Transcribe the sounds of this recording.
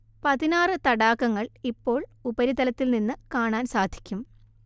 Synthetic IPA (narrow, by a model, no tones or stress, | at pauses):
pɐðinaːrɨt̪ɐɽaːkːɐŋːɐɭipːo̞ːɭubɐɾit̪ɐlɐt̪ːilninːɨkaːɳaːnsaːd̪ʱi̥kʲːum